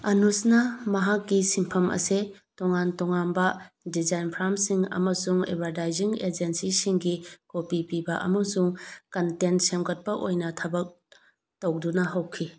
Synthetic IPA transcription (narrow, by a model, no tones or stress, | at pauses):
ɐnusnɐmɐɦak̚ɡisimpʰɐmʔɐ̰se | tɔŋantɔŋanbɐdizajnpʰɾamsiŋɐ̰mɐsuŋḛbʱaɾtajziŋed͡ʒensisiŋɡikopipibɐʔɐ̰mɐsuŋkɐntensemɡɐt̚pɐʔojnɐtʰɐbɐk̚ | towdunɐɦɐwkʰi